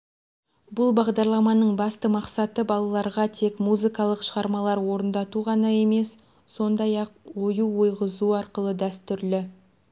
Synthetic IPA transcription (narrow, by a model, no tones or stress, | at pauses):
bʊlˠbɑʁd̪ɑɾlˠɑmɑnəɴbɑst̪əmɑqsɑt̪əbɑlˠɑlˠɑɾʁɑt̪ʰe̞kmuzɨkɑlˠəqʃəʁɑɾmɑlˠɑɾwo̞ɾənd̪ɑt̪uʁɑnɑe̞me̞s | so̞nd̪ɑjɑqwo̞juwo̞jʁəzuɑɾqəlˠəd̪æst̪ʏɾlɪ